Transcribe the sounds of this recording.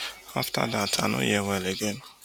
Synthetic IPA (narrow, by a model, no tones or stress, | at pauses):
afta̰datʰa̰no̰jɛwɛleɡen